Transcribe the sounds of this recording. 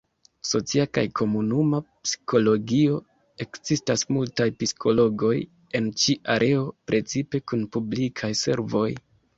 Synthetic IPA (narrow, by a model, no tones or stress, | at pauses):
so̞t͡siaka̰jkʰo̞munumapsi̥ko̞lo̞ɡio̞ | e̞kzistasmultajpiskʰo̞lo̞ɡo̞j | e̞nt͡ʃiʔaɾʔe̞o̞pɾʔe̞t͡sipe̞kunpublikʰajse̞̰ɾvo̞j